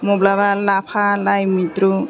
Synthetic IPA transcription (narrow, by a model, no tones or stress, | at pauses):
mɔblaβalapʰalajmit̪ɾu